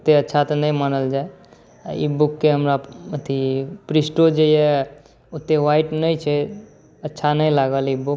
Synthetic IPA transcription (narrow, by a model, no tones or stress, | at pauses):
t̪eətːʃʰat̪ɔnəjmanəld͡ʒae | ḭbukːeɦəmɾamət̪ʰipɾisʈod͡ʒeje | ut̪ːeʋaiʈnəjt͡ʃʰɛ | ətːʃʰanəjlaɡəlibuk